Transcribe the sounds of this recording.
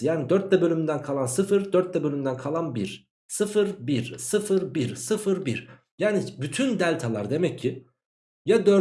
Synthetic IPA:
jaːnid̪œɾt̪̚lɛbølʲymynd̪ænkʰalˠansɯfɯɾd̪œɾt̪ːɛbølʲymynd̪ænkʰalˠanbiɾ̥ | sɯfɯɾbiɾsɯfɯɾbiɾsɯfɯɾbiɾ | jaːnibyt̪ʰynd̪ælʲt̪ʰalˠa̰ɾd̪e̞mɛcʰːi | jad̪øɾ

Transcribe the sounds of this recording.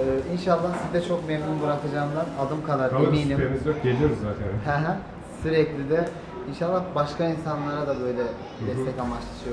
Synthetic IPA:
inʃalˠːahsizd̪ɛt͡ʃʰo̞kmemnunbɯɾakɯd͡ʒaːɯnd̪anad̪ɯmkʰalˠaɾemiːnimemizøpɟelʲijoɾuzːaːt̪ʰɛhɛɦæ | syɾɛclʲid̪ɛ | inʃalˠːahbaʃkainsanlˠaɾad̪abø̞jlʲɛ | d̪ɛst̪ʰɛcamat͡ʃlˠat͡ʃʰɯjo

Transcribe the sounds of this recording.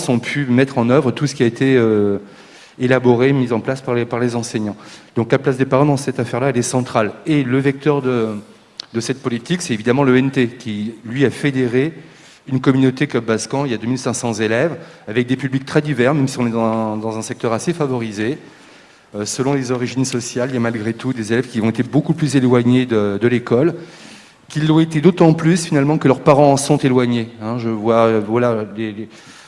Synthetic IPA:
sɔ̃pʰymɛt̪χɑ̃nœvʁət̪usə̥kʲiaet̪ʰeø | elabɔʁemizɑ̃plaspaʁlepaʁlezɑ̃sɛɲɑ̃d̪ɔ̃klaplasd̪epaʁɑ̃d̪ɑ̃sɛt̪afɛʁlaɛlɛsɑ̃t̪χaleləvɛk̚t̪œʁd̪ə | d̪əsɛt̪̚pɔlit̪iksɛt̪evid̪amɑ̃løɛnt̪ekʲʰilɥiafed̪eʁe | ynkɔmynot̪ekɔbaskɑ̃iljad̪ømilsɛ̃sɑ̃zelɛvavɛk̚d̪epyblik̚t̪χɛd̪ivɛʁmɛmsiɔ̃nɛd̪ɑ̃d̪ɑ̃zɛ̃sɛk̚t̪œʁasefavɔʁize | øsəlɔ̃lezɔʁiʒinsɔsjalijamalɡʁet̪ʰud̪ezelɛv̥kʲiɔ̃et̪ebokuplyzelwaɲed̪əd̪əlekɔl | kʲilːɔ̃et̪ed̪ot̪ɑ̃plysfinalmɑ̃kəlœʁpaʁɑ̃ːsɔ̃t̪elwaɲeɛ̃ʒəvwavwalalele

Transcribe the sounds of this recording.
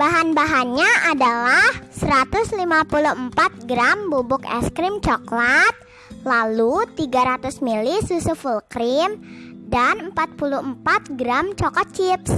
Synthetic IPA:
b̥aɦanbaɦanɲaʔadalahsəɾat̪ʊslimapuluhəmpat̪̚ɡɾambubʊkɛ̰skɾɪmt͡ʃɔklat̪̚ | lalut̪iɡaɾat̪ʊsmilisusufulkɾɪmdanəmpat̪̚puluhəmpat̪̚ɡɾamt͡ʃɔkɔt͡ʃɪps

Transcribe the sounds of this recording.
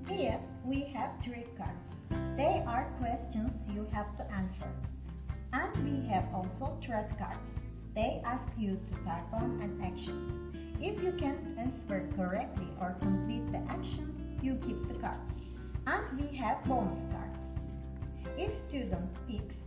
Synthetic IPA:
hi | wiɦæv̥tʰɹikkʰɑ̰ɹds | ðeʔaɹkʰwɛst͡ʃə̃nzjuhævtuʔæ̃nsə̰˞ | ə̃ndwiɦævɔlˠsoʊtʰɹɛdkɑ̰ɹds | ðeɪʔæskjutʰupæfɔ̃nɨ̃nækʃə̃n | ɪfjukɛ̃n | ɨ̃nsəɹkʰəɹɛk̚tʰliʔɔɹkʰə̃mplit̪̚ðiʔækʃə̃n | juɡip̚ðəkɑ̰ɹds | ə̃ndwiɦævbõnəskɑ̰ɹds | ɪfstʉdə̃n̩tpiks

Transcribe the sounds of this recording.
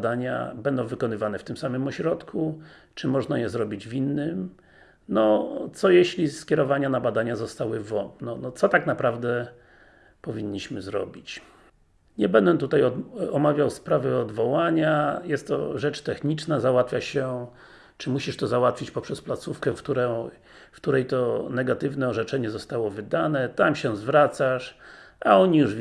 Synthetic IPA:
d̪aɲa̰bɛnd̪ɔ̃w̃vɘkɔn̪ɘvanɛft̪ɘmsamɘmɔɕɾɔt̪kʰu | t͡ʂɘmɔʐnajɛzɾɔbʲid͡ʑvʲinːɘm | nɔt̪sɔjɛɕlʲiskʲjɛɾɔvaɲanabad̪aɲazɔst̪awɘvɔnɔnɔt̪sɔt̪aknapɾavd̪ɛ | pɔvʲiɲːiɕmɘzɾɔ̰bʲit͡ɕ | ɲɛbɛnd̪ɛt̪ut̪ajɔɔmavʲjawspɾavɘɔd̪vɔwaɲajɛst̪ːɔ̰ʐɛt͡ʂt̪ɛxɲit͡ʂnazawat̪fʲjaɕɛ | t͡ʂɘmuɕiʂt̪ɔzawat̪fʲit͡ɕpɔpʂɛsplat̪sufkɛfkt̪uɾɛ | fkt̪uɾɛjt̪ɔnɛɡat̪ɘvnɛɔʐɛt͡ʂɛɲɛzɔst̪awɔvɘd̪anɛt̪amɕɛzvɾat̪saʂʔaɔɲijuʐ

